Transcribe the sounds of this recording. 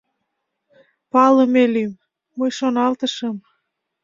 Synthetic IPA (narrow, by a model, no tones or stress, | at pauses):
pɑləmelymː | əjʃonɑlt̪əʃə̆m